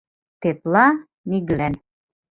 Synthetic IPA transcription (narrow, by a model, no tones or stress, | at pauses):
t̪et̪lˠɑ | niɡlæn